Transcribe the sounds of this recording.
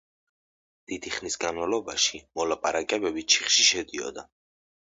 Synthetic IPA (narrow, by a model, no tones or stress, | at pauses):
d̪̥id̪iχnisɡanmalˠɔbaʃimɔlapʼaɾakʼɛbɛbit͡ʃʰi̥χʃiʃɛd̪iɔ̰d̪a